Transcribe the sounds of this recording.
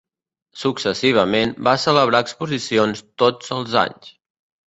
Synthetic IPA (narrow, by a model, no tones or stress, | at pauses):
suksəsiβ̞əmenbasələβ̞ɾaəkspuzisionst̪od͡zəlˠza̰ɲs